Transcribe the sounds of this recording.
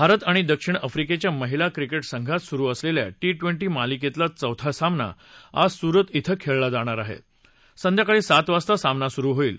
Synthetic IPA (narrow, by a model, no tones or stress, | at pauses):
bʱaɾət̪aɽ̃id̪əkʂiɳəfɾiket͡ɕjaməɦilakɾikeʈsəŋɡʱat̪suɾuːəslelja̰ʈiʈʋeɳʈiːmaliket̪lat͡səwt̪ʰasamna̰ | asuɾət̪it̪ʰəkʰeɭlad͡zaɽ̃aɾaɦḛ | sənd̪jakaɭiːsat̪ʋast̪asamnasuɾuːɦoiːl